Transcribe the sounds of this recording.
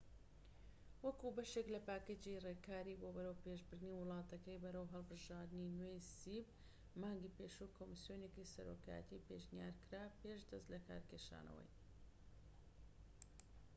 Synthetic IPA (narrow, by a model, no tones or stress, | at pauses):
wɐkubɐʃeklɐpaːked͡ʒirekaːɾibobɐɾɐwpeʒbɨɾd̪niwɨlˠɑːt̪ɐkɐjbɐɾɐwɦɐlˠbɨʒaːɾd̪ɨninwejsib | maːŋɡiːpeːʃukʰoːmisjoːnjekisɐɾo̰ka̰ːjə̰t̪iːpeʃnija̰ːɾkɾaːpeʃd̪ɐst̪lɐka̰ːɾkeʃa̰ːnɐ̰wɐ̰j